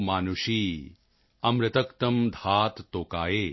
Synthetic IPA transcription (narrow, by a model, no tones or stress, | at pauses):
maːnuʂiː | ɐmɾɪt̪ɐkt̪ɐmd̪ʱaːt̪ːoːkaːjeː